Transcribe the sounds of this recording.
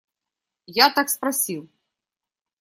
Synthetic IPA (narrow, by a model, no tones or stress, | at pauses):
jat̪akspɾasʲiw